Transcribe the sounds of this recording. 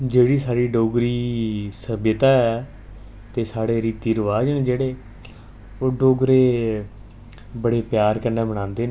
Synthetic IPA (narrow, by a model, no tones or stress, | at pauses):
d͡ʒeːɽiːsaːɽiːɖoːɡɾiːsəbjət̪aːɛ | t̪eːsaːɽeːɾiːt̪iːɾəʋaːd͡ʒnẽːd͡ʒeːɽeː | oːɖoːɡɾeː | bəɽeːpjaːɾkəɾneːbəɽ̃ãːnd̪eːn